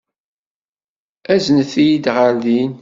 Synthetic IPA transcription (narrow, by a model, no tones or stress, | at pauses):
æzənθijid̪ʁəɾðin